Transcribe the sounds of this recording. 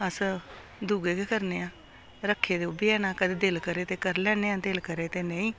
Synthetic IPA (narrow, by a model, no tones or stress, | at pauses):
əs | d̪uːɡeːkeːkəɾneːãː | ɾəkʰːeːd̪eːʊbiːɛːnaːkəd̪eːd̪elkəɾeːt̪eːkəɾlɛːneːãːd̪elkəɾeːt̪eːnəĩː